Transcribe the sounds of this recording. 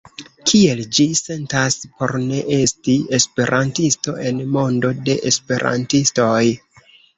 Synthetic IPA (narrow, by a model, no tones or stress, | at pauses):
kʰie̞ld͡ʒise̞ntaspo̞̰ɾne̞ʔe̞stie̞spe̞ɾʔantisto̞̰ʔe̞nmo̞ndo̞de̞ʔespe̞ɾa̰ntisto̞j